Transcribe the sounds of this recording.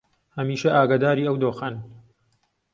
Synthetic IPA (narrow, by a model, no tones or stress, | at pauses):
hɐmiːʃɐʔaːɡaːd̪aːɾiːɐwd̪oːxan